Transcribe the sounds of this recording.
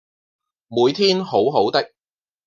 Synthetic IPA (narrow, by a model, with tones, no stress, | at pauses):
muː˨˧jt̪ʰiː˥nho˨˥wɦo˨˥wt̪ɐ˥k̚